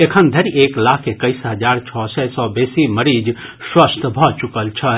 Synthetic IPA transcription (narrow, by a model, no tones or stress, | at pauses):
ekʰənd̪ʱəɾieklaːkʰːekəɪsɦəd͡ʒaːɾt͡ʃʰɔsɛsɔbeːsiməɾid͡ʒswəst̪ʰbʱɔt͡ʃukəlt͡ʃʰə